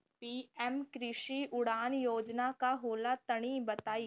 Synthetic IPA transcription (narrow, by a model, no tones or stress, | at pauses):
piːɛmkɾɪʃiʊɽaːnjoːd͡ʒnakaɦoːlat̪ɐɽ̃ibɐt̪aːi